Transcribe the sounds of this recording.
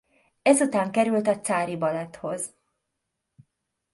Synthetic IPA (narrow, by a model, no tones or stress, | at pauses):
ɛzut̪aːŋkɛɾylt̪ɒt̪saːɾibɒlɛt̪ho̞z